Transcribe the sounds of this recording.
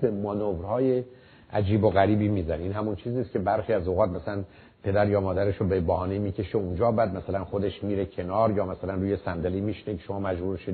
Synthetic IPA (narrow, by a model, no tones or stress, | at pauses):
bemɒnovɾhɒːje | ʔæd͡ʒiːboɣæɾiːbiːmiːzæneiːnɦæmunt͡ʃʰiːziːst̪̚cʰebæɾxiːæzoɣɒːt̪̚mæsælæn | pʰe̞d̪æɾjɒːmɒːd̪æɾeʃobebæhɒːnemiːcʰe̞ʃeund͡ʒɒːbæːd̪mæsælænxod̪e̞ʃmiːɾecʰe̞nɒːɾjɒːmæsælænruːjesænd̪elemiːʃnekʰe̥ʃomɒːmæd͡ʒbuːɾeʃe